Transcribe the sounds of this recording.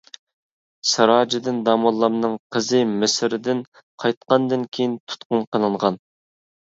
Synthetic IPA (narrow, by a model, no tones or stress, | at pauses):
sɑɾɑːd͡ʒɪd̪ɪnd̪ɑmɑlˠːɑmnɨŋqʰəzɨmɪsɪɾɪd̪ɪn | qʰɑjt̪̚qɑnd̪ɨnkʲʰejint̪ʰu̥t̪qʊnqʰənˠɨɴʁɑn